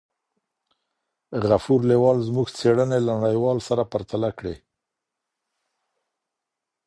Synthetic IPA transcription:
ɣafuɾlewɑlzmuɡt͡seɽənelanaɽajwɑlsaɾapaɾt̪alakɽḛ

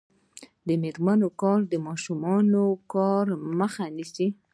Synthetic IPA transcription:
d̪əmeɾmanokɑɾd̪əmɑʃumɑnokɑɾməxanisi

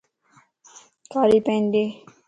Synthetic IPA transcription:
kaːɾipẽːnd̪e

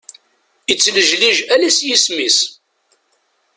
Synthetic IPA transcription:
it͡sːləʒliʒælæsjismis

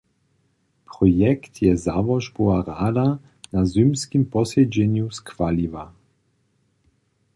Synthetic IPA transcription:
pʁɔjɛkt̪ʰjɛzavɔʒbuaɾaːd̪a | nazymskimpɔsɛd͡ʒɛɲjuskvaliva

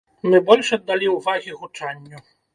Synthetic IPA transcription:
mɘbɔlʲʂɛd̪ːalʲiuvaɣʲiɣut͡ʂaɲʲːu

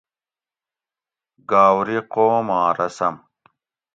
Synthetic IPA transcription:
ɡaːwɾiqoːmãːɾɐsɐm

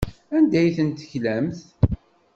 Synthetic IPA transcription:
ænd̪æjθənt̪ːəçlæmθ

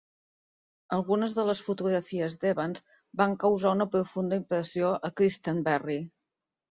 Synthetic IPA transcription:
əlˠɣunəzðələsfut̪uɣɾəfiəzd̪eβənz | baŋkəwzaunəpɾufund̪əimpɾəsijoʔəkɾist̪əmbɛri

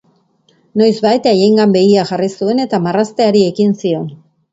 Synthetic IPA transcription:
no̞jzβajt̪aje̞ŋɡambe̞ɣiaʝarisue̞ne̞t̪amarast̪e̞aɾie̞kinsio̞n

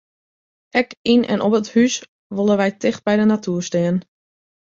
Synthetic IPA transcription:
ʔɛkinʔɛ̰nʔɔpəthys | ʋolˠəʋɛjtʰɪxt̚bɛjdənatʰyərstɪːən

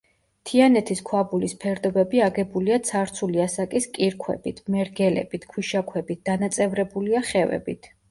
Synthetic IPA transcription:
t̪ʰianɛt̪ʰiskʰwabulispʰɛɾd̪ɔbɛbiaɡɛbuliat̪sʰaɾt̪sʰuliasakʼiskʼiɾkʰwɛ̰b̥it̪ʰmɛɾɡɛlɛ̰bit̪ʰkʰwiʃakʰwɛbit̪̚d̪̥anat̪sʼɛvɾɛbuliaχɛvɛ̰bit̪ʰ

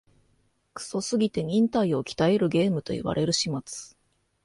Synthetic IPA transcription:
kɯ̥so̞sɨɡʲit̪e̞ɲ̟ʲĩnt̪aio̞kʲi̥t̪aeɾɯ̟ɡe̞ːmɯ̟t̪o̞̰ḭβa̰ɾʔe̞ɾɯ̟ɕimat͡sɨ̥

